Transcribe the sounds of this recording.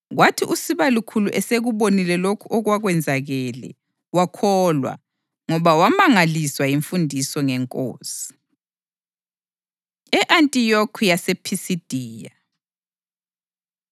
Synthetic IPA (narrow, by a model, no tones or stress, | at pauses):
ɣwatʰiʔusiβalukʰuluʔɛseɣuβonilɛlokʰuʔɔɣwaɣwɛnd͡zʱaɣɛlɛ̰ | wakʰɔlwa̰ | ŋɔβawamaŋaliswajiɱfundʱisɔŋɛŋkʼo̰ːsi̥ | ɛʔantʼijokʰujasepʰisid̥ʱiːja